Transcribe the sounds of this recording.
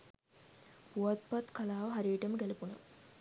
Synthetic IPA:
puat̪̚pat̪kʰalaːʋɐɦaɾiːʈəməɡælɐpunə̰ʋ

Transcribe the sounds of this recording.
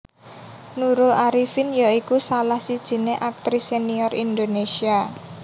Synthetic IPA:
nuɾʊlaɾifɪnjaikusalahsid̥ʒ̥i̤neʔak̚t̪ɾiseniɔɾind̪onesia

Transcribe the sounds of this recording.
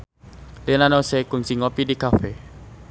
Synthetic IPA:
lenanosekuŋsiŋɔpidikafe

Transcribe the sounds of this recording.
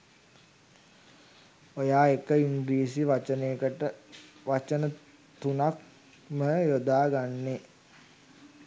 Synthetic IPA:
ojaːekəiŋɡɾiːs̬iʋat͡ʃəneːəkəʈəʋat͡ʃənə | t̪unak̚ | məjod̪aːɡanːe

